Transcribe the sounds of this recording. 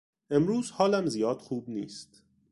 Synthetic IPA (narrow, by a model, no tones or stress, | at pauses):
ʔe̞mɾuːzhɒːlæmzijɒːd̪̥xuːbnḭːst̪